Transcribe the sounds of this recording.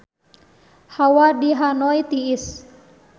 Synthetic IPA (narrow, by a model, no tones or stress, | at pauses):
hawadiɦanɔit̪iːs